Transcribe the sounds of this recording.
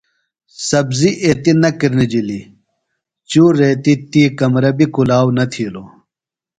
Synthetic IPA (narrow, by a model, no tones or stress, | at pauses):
sɐbziʔet̪inɐkiɾnid͡ʑili | t͡ɕuːɾeːt̪it̪iːkɐmɾɐbikulaːwnɐt̪ʰiːlo